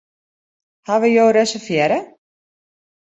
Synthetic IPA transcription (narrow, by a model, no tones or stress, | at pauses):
haʋəjowɾɛsəfjɛɾə